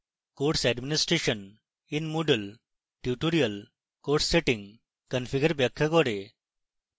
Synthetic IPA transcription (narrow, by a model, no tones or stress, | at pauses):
koɾʈsɛɖminisʈɾeɕən | inmuɖəl | ʈjuʈoɾijəl | koɾʈsːeʈiŋɡ | kənfiɡəɾbjɐkʰːəɡɔɽe